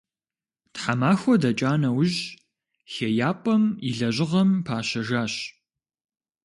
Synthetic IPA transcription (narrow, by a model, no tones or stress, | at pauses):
tħamaːxʷɔdɐt͡ʃʼaːnɐwʑ | xejaːpʼɐmiɮɐʑɪʁɐmpʰaːɕɐʒaːɕ